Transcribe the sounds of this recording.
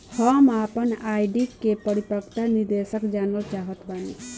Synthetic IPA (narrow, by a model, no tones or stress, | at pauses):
həmapənajɖiʈkepəɾipəkt̪aniɾd̪esəkd͡ʒanəlt͡ʃaɦət̪banḭ